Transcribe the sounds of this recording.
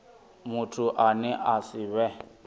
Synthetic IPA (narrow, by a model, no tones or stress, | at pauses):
mutʰuʔanɛʔasiβɛ